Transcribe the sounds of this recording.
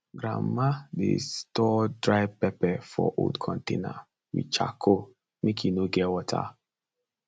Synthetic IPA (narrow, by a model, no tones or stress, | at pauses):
ɡɾa̰madḛstɔdɹaɪpɛpɛfɔ̰ʔo̰ldkʰɔ̃ntḛ̃na̰ | wḭt͡ʃa̰kʰo | mekjinoɡɛwɔtʰa̰